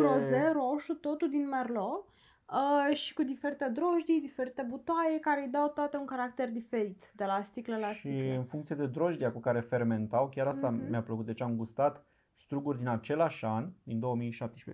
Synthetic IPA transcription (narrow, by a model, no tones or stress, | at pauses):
ɾozeɾoʃut̪ot̪ud̪inmerlo | ʃi̥kud̪ife̞ɾit̪e̞d̪ɾo̞ʒd̪id̪ife̞ɾit̪e̞but̪oajekaɾeejd̪awt̪oat̪euŋkaɾak̚t̪e̞rd̪ife̞ɾit̪d̪e̞last̪iklelast̪iɨnfuŋkt̪sijed̪e̞d̪ɾo̞ʒd̪iakukaɾe̞fe̞rme̞nt̪awkʲaɾast̪amjapləkut̪̚d̪e̞t͡ʃʲamɡust̪at̪ | st̪ɾuɡurʲd̪inat͡ʃe̞laʃand̪ind̪o̞womijʃap̚t̪eʃpe